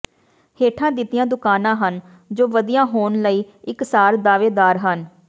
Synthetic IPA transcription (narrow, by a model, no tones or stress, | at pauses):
heːʈʰãːd̪ɪt̪ːɪjãːd̪ʊkaːnãːɦən | d͡ʒoːʋəd̪ijãːɦoːnləiːɪksaːɾd̪aːʋeːd̪aːɾɦən